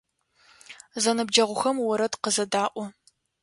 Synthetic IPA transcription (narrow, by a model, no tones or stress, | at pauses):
zɐnɨb̚d͡ʒɐʁʷʊxɐmwɔɾɐdqəzɐdaːʔʷɔ